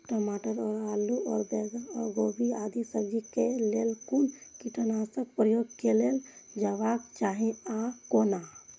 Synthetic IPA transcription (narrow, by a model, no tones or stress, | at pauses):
ʈɔmaʈəɾɔːɾaluɔːɾbɛɡaɔɾɡobʱiad̪isəɡd͡ʒikelelkunkiʈənasək̚pɾəjoɡkeleld͡ʒaʋakt͡ʃaɦẽakona